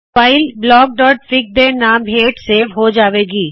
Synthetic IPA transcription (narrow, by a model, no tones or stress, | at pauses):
aːɪlblɔːɡ̚ɖɔːʈ̚fɪk̚d̪enaːmɦeːʈseːʋɦod͡ʒaːʋeːɡiː